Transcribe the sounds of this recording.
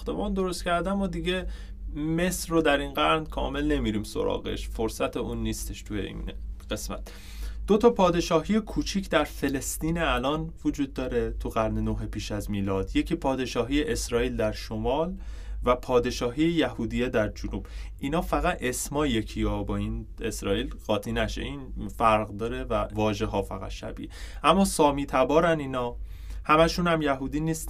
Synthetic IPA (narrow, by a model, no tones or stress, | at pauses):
xt̪e̞bɒːnd̪o̞ɾost̪cʰæɾd̪æmod̪iɟe̞ | me̞sɾod̪æɾinɡæɾnkʰɒ̰ːme̞lne̞miɾiːmso̞̰ɾɒ̰ːɣḛʃfoɾsæt̪ʰeuːnːiːst̪e̞ʃt̪ʰujḛḭnɢ̥e̞smæ̰t̪ | d̪̥o̞t̪ʰɒpʰɒːd̪e̞ʃɒːɦije̞kʰuːt͡ʃʰiːcʰd̪æɾfe̞le̞st̪iːneælɒːnvod͡ʒuːd̪ːɒːɾet̪ʰuɣæɾnenoɦepiːʃæzmiːlɒːd̪je̞cʰiːpʰɒːd̪e̞ʃɒːɦijeʔesɾɒːiːld̪æɾʃomɒːlvæpʰɒːd̪e̞ʃɒːɦiːjejæhuːd̪ijed̪æɾd͡ʒonuːb̥ʔiːnɒːfæɣæt̪e̞smɒːjecʰijɒbɒːine̞sɾɒːiːlɢɒːt̪ʰinæʃḛinfæɾɣd̪ɒːɾe̞vævɒːʒeɦɒːfæɣæ̰t̪ʃæ̰bḭeʔæmːɒːsɒːmiːt̪ʰæbɒːɾæniːnɒː | hæmæʃuːnhæmjæɦuːd̪iːniːst̪